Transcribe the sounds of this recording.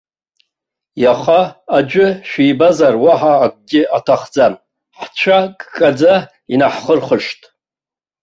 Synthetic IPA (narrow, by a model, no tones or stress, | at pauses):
jaχaːd͡ʒʷᶣɪʃᶣijbazarwaħaːk̚ʷʼɡʲɪʔatʰaχd͡zam | ħt͡ʃʷʰakʼkʼːad͡za | inaħχərχəʂtʼ